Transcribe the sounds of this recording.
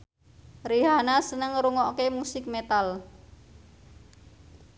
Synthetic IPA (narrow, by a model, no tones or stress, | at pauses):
riɦanasənəŋɾuŋɔkemusɪk̚met̪al